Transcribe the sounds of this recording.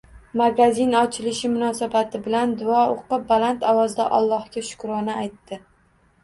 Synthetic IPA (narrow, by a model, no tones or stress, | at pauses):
maɡazinɒt͡ʃʰɪlɪʃɪmʊnɒsabat̪ʰɪbɪland̪ʊɒoqɨbalant̪ʰɒwɒzd̪aʔɒlˠːɒhkʲaʃʊ̥kɾɒnɪajt̪ːɪ